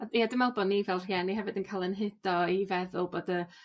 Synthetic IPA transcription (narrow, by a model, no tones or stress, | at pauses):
ajadɪmalˠbɔnːivɛlˠr̥jɛniɦɛvɨdənkʰaːlˠənɦɪd̥ɔivɛðʊlˠboːdə